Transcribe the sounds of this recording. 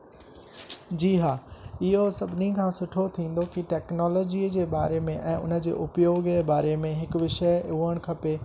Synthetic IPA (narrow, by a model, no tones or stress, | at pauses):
d͡ʑiːɦaːɪɦosɐbʱɪnikʰãːsʊʈʰot̪ʰĩːnd̪okiʈɛːknɔːlɔːd͡ʑiːəd͡ʑeːbaːɾemẽʔɛ̃ːʊ̰nə̆d͡ʑḛːʔʊpjoːɡeːbaːɾemẽɦɪkʋɪʃəuːəɽ̃kʰɐpe